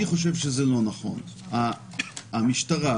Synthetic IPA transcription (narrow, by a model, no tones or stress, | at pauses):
iχo̞ʃ̬evʃezelo̞naχo̞̰naː | miʃtaʁa